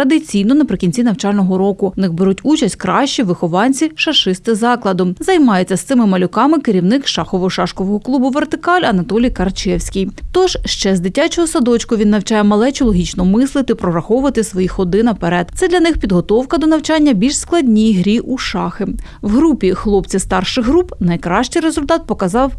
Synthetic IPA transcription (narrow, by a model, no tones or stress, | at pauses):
ɾɐd̪ɪt͡sʲijnɔnɐpɾɪkʲinʲt͡sʲinɐwt͡ʃɑlʲnɔɦɔɾɔkʊnɪɣbeɾutʲut͡ʃɐsʲtʲkɾɑʃt͡ʃiʋɪxɔʋɑnʲt͡sʲiʃɐʃɪst̪ɪzɑklˠɐd̪ʊmzɐjmɑjet͡sʲːɐst̪sɪmɪmɐlʲʊkɑmɪkɪɾʲiwnɪkʃɑxɔʋɔʃɑʃkɔʋɔɦɔklˠubʊʋert̪ɪkɑlʲɐnɐt̪ɔlʲijkɐrt͡ʃɛwsʲkʲijt̪ɔʒ̥ʃt͡ʃɛzd̪ɪtʲat͡ʃɔɦɔsɐd̪ɔt͡ʃkʊʋʲinːɐwt͡ʃɑjɛmɐlˠɛt͡ʃɔlˠɔɦʲit͡ʃnɔmɪslˠɪt̪ɪpɾɔɾɐxɔʊʋɐt̪ɪsʋɔjixɔd̪ɪnɐpeɾɛd̪t̪sɛd̪lʲɐnɪxpʲid̪ɦɔt̪ɔwkɐd̪ɔnɐwt͡ʃɑnʲːɐbʲilʲʃsklˠɐdʲnʲijɦɾʲiʔuʃɑxɪ | wɦɾupʲixlˠɔpt͡sʲist̪ɑrʃɪɣɦɾupnɐjkɾɑʃt͡ʃɪjɾezʊlʲt̪ɑt̪̚pɔkɐzɑw